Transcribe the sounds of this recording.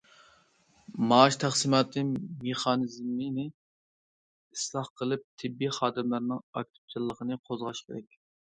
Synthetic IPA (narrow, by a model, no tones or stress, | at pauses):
mɑːʃt̪ʰæχsɨmɑːt̪ʰɨmeχɑːnɨzmːɨnɪ | islˠɑχqəlˠɨp̚t̪ʰɪbːiχɑːd̪ɨmlɪɾnɪŋɑ̰k̚ʲt̪ʰɪ̥p̚t͡ʃʰɨlˠːəqʰənɨqʰozʁɑʃkʲʰeɾɛkʲ